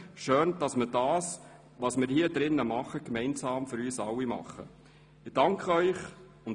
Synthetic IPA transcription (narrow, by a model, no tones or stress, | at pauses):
ʃøːnd̥ɑsmɪdɑːs | ʋɑːsmɪːɾhiədɾɪnːəmɑχəkmɛɪnsɑːmfyɾyːsɑwimɑ̰χːə̰ | ɪd̥ɑŋkʰχəœʏχ | ʊn